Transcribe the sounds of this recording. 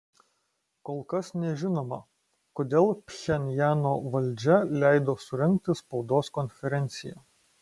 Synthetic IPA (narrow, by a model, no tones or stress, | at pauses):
koːlˠkɐsnʲɛʒʲɪnoːmɐ | koːd̪ʲeːlˠpʲxʲɛnʲjæːnoːʋɐlʲd͡ʒʲɛlʲæˑɪd̪oːsʊɾʲɛŋk̚t̪ʲɪspɒʊd̪oːskɔnʲfʲɛɾʲɛnʲt̪sʲɪjæ